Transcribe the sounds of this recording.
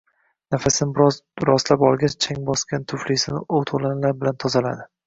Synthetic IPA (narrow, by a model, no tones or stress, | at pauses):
nafasɪnɪbɾɒzɾɒslapɒlˠɡʲat͡ʃt͡ʃʰaŋbɒskʲant̪ʰʊflisɪnɪʔowt̪ʰolanlaɾbɪlant̪ʰɒzala̰d̪ɪ